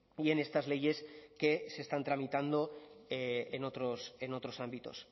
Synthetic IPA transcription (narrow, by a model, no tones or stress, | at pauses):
ie̞ne̞st̪azle̞ʝe̞ske̞se̞st̪ant̪ɾamit̪and̪o̞eeno̞t̪ɾo̞se̞no̞t̪ɾosambit̪o̞̰s